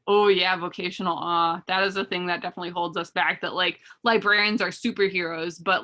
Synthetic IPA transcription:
ʔoʊjævoʊkʰeɪʃɨ̃n̩l̩ˠɑðɨɾɨzɨθɪ̃ŋðɨt̚d̥ɛfənətˡliɦoʊlˠdzʌsb̥æk̚ðə̰ʔlaɪk̚laɪbɹɛɹiɨ̃nzə˞sʉpə˞ɦiɹoʊzb̥ʌt

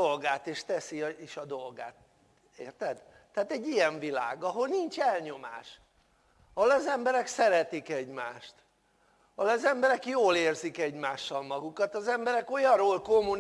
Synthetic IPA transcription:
olɡaːt̪eːʃt̪ɛsieʃɒd̪olɡa̰ːt̪̚ | eːrt̪ɛd̪ | t̪ɛaːt̪ɛɟːijɛɱvila̰ːɡɒɦo̞lnint͡ʃɛlɲo̞ma̰ːʃ | ɒholɒzɛmbɛɾɛksɛɾɛt̪ikɛɟmaːʃt̪ | ɒholɒzɛmbɛɾɛkjoːleːrzikɛɟmaːʃːɒlmɒɡukɒt̪ɒzɛmbɛɾɛko̞jɒroːlko̞mun

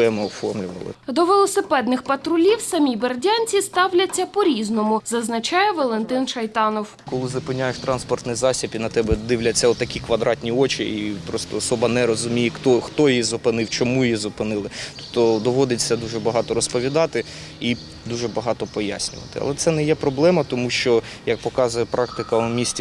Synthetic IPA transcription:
ɛmɪɔfɔrmlʲʊʋɐ̰lˠɪ̰d̪ɔʋelˠɔsɪpɛd̪nɪxpɐt̪ɾʊlʲiwsɐmʲibɐrdʲanʲt͡sʲist̪ɑwlʲɐt͡sʲːɐpɔɾʲiznɔmʊzɐznɐt͡ʃɑjɛʋɔlˠent̪ɪnʃɐjt̪ɑnɔw | kɔlˠɪzʊpɪnʲːajeʃt̪ɾɑnspɔrt̪nɪjzɑsʲipʲinɐt̪ɛbɛd̪ɪwlʲɐt͡sʲːɐɔt̪ɐkʲikʋɐd̪ɾɑtʲnʲiɔt͡ʃʲiipɾɔst̪ɔːsɔbɐnɛɾɔzʊmʲijɛxt̪ɔxt̪ɔjjizʊpɪnɪwt͡ʃɔmujjizʊpɪnɪlˠɪt̪u̥pt̪ːɔd̪ɔʋɔd̪ɪt͡sʲːɐd̪uʒɛbɐɦɑt̪ɔɾɔspɔʋʲid̪ɑt̪ɪ | i | d̪uʒɛbɐɦɑt̪ɔpɔja̰sʲnʲʊ̰ʋɐ̰t̪ɪ̰ɐ̰lˠɛt̪sɛnɛjɛpɾɔblˠɛmɐt̪ɔmuʃt͡ʃɔ | jɐk̚pɔkɑzʊjɛpɾɑkt̪ɪkɐʊmʲisʲtʲi

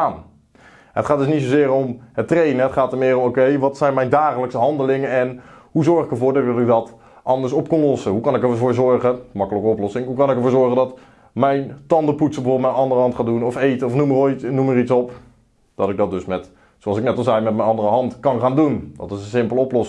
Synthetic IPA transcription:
aːn | ətχaːt̚dɵs̬nitsozɪːɾɔmɦətrejnəətχaːtəɹmɪːrɔmokejʋɑtsɛjnmɛjndaːχələksəɦɑndəlɪŋəɛnɦuzɔɹχɪkəɹvʊːɹdɔtɔtɪk̚dɑt | ʔɑndəɹsɔp̚kɔnlɔsəɦukɑnɪkəɹvʊːɹzɔɹχəmɑkələkəɔplɔsɪŋɦukɑnɪkəɹvʊːɹzɔɹχədɑt | mɛjntɑndəputsəbəoblˠtmɛnɑndərəɦɑntχaːdunɔfejtəɔfnuməroːjtnuməritsɔp | d̥ɑtɪɡ̚dɑt̚dɵsmɛt | soɑlˠsɪknɛtɑlˠzɛjmɛt̚mɛjnɑndərəɦɑntkɑnχaːndundɑ̰tɪsənsɪmpəlˠəɔplɔs

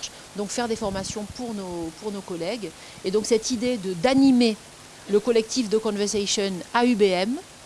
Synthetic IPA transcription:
ʃ | d̪ɔ̃kfɛʁd̪efɔʁmasjɔ̃puʁnopuʁnokɔlɛɡ | ed̪ɔ̃ksɛt̪id̪ed̪əd̪anime | ləkɔlɛk̚t̪ifd̪əkɔ̃vɛʁsasjɔnaybeɛm

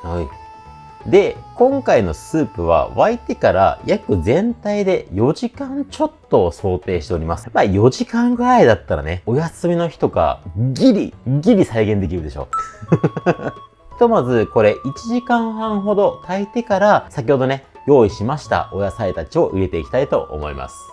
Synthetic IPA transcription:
hoi | d̪e̞kõ̞ŋkaino̞sɨːpɯ̟β̞a̰βait̪e̞kaɾa̰jakɯ̟zẽ̞nt̪aid̪e̞jo̞ʑikãɲt͡ɕo̞t̪ːo̞so̞ːt̪e̞ːɕi̥t̪e̞o̞ɾʲimasɨ̥maːjo̞ʑikãŋɡɯ̟ɾaid̪at̪ːaɾa̰neo̞jasɨmʲino̞çi̥t̪o̞ɡa̰ɡʲiɾʲḭɡʲiɾʲisaiɡẽ̞nd̪e̞kʲiɾɯd̪e̞ɕo̞̰ː | çi̥t̪o̞mazɨko̞ɾe̞ʔit͡ɕiʑikãɰ̃hãɰ̃ɦo̞d̪o̞t̪ait̪e̞kaɾasak̬ʲiho̞d̪o̞ne̞ | jo̞ːiɕimaɕi̥t̪a̰ʔo̞jasait̪at͡ɕio̞ʔɯɾe̞t̪e̞ikʲi̥t̪ait̪o̞̰ʔo̰mo̞̰ḭma̰sɨ̥

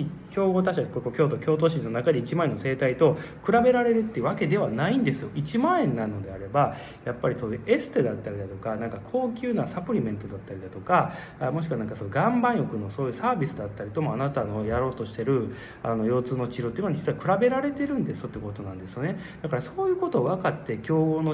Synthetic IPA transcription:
ikʲo̞ːɡo̞t̪̬aɕiakokokʲo̞ːt̪o̞kʲo̞ːt̪o̞ːɕinːo̞nakad̪eit͡ɕimaẽ̞nːo̞se̞ːt̪ait̪o̞ | kɯ̟ɾabe̞ɾaɾe̞ɾɯ̟t̪ːeɯ̟βake̞d̪e̞βanaĩnd̪e̞sɨjo̞ʔit͡ɕimaẽ̞nːano̞d̪e̞aɾe̞ba | japːaɾʲisoːjɯ̟ʔe̞sɨ̥t̪ed̪at̪ːaɾʲid̪at̪o̞kanãŋkakʰo̞ːkʲɨːnasapɯ̟ɾʲimẽ̞nt̪o̞d̪at̪ːaɾʲid̪at̪o̞ka | amo̞ɕi̥kɯβanãŋkasoɡãmbãɰ̃jo̞kɯ̟no̞so̞ːjɯ̟ːsaːbʲisɨd̪at̪ːaɾʲit̪o̞moanat̪ano̞jaɾo̞ːt̪o̞ɕi̥t̪e̞ɾɯ̟ | ano̞jo̞ːt͡sɨːno̞t͡ɕiɾo̞t̪eiɯnoad͡ʑi̥t͡sɨβakɯ̟ɾabe̞ɾaɾe̞t̪e̞ɾɯ̟̃nd̪e̞sɨ̥jo̞t̪ːej̟ko̞t̪o̞nãnd̪e̞sɨjo̞ne̞ | d̪akaɾaso̞ːjɯ̟ːko̞t̪o̞βakat̪ːe̞kʲoːono

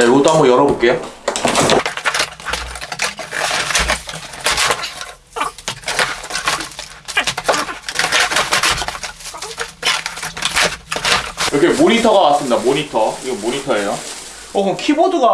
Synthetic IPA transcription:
eɡot͈oɦambʌjʌɾʌbok͈ejo | iɾʌkʰemonitʰʌɡakas͈ɯmidamoɲitʰʌiɡʌmmoɲitʰʌejo | ʌkʌnkʰibodɯɡa

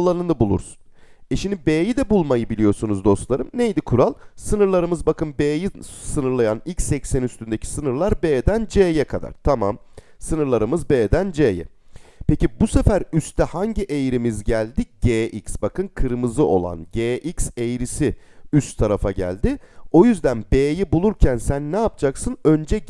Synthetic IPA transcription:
lˠanɯnabulˠṵɾsu̥nɛʃimnd̪ibeːjid̪ɛbulˠmajɯbilʲijo̞ɾsunuzd̪o̞st̪lˠaɾɯmnejd̪ikʰuɾalˠsɯnɯɾlˠaɾɯmɯzbakɯnbeːjisɯnɯɾlˠajanilʲcsːɛcsænyst̪ynd̪ecʰi̥sɯnɯɾlˠaɾbeːd̪ænd͡ʒeːjɛkʰad̪a̰ɾ̥t̪ʰama̰m | sɯnɯɾlˠaɾɯmɯzbeːd̪ænd͡ʒeːjɛ̰ | pecibusefæɾyst̪ʰɛhaɲɟiʔejɾimizɟælʲd̪iɟ̥eːʔicsbakʰɯnkʰɯɾmɯzɯʔo̞̰lˠa̰nɟeːʔicsejɾisiyst̪ʰːaɾafaɟæ̰lʲd̪ɪo̞jyzd̪ænbeːjibulˠuɾcʰænsænːɛap̚t͡ʃʰaksɯnø̞nd͡ʒɛ

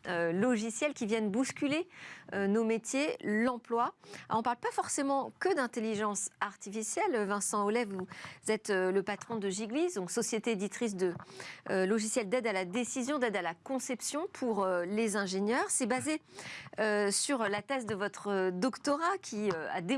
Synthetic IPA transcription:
ølɔʒisjɛlkʲivjɛnbuskʲyleønomet̪jelɑ̃plwaɑ̃paʁlpafɔʁsemɑ̃kəd̪ɛ̃t̪eliʒɑ̃saʁt̪ifisjɛlvɛ̃sɑ̃olɛvuzɛt̪øləpat̪χɔ̃d̪əʒiɡlizd̪ɔ̃ksɔsjet̪eːd̪it̪χis̬d̪ə | lɔʒisjɛld̪ɛd̪alad̪esizjɔ̃d̪ɛd̪alakɔ̃sɛpsjɔ̃pʰuʁølezɛ̃ʒeɲjœʁsɛbazeøsyʁlat̪ɛzd̪əvɔt̪χəd̪ɔkt̪ɔʁakʲʰiøa̰d̪e

